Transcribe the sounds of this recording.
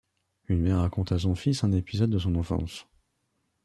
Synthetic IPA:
ynmɛʁːakɔ̃t̪as̬ɔ̃fisɛ̃nepizɔd̪̚ːəsɔ̃nɑ̃fɑ̰̃s

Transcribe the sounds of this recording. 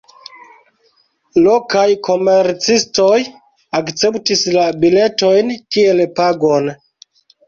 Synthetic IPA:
lo̞kajkʰo̞meɾt͡sistoj | akt͡se̞ptislabile̞to̞jntie̞lpaɡo̞n

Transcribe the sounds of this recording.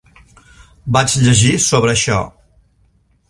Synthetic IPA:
bat͡ʃʎəʒisoβɾəːʃɔ̰

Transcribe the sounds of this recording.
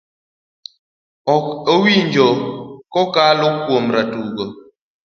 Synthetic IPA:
ɔɔwiɲd͡ʒɔkɔkalʊkwomɾatuɡɔ

